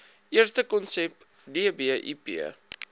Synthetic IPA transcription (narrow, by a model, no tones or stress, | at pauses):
ʔiərstəkɔnsɛp | diəbiəʔḭpḭə